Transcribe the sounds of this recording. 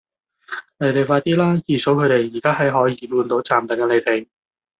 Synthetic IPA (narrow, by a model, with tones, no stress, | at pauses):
ne˨˧˥jt̪e˨˩jfaː˧t̪iː˥laː˥jiː˨˩so˨˥wkʰɵ˨˧t̪e˨jjiː˨˩kaː˥ɦɐ˨˥jɦɔː˨˥jiː˧muː˧nt̪o˨˥wt͡saː˨˩mt̪ɐ˨˥ŋɛ˧ne˨˧jt̪e˨j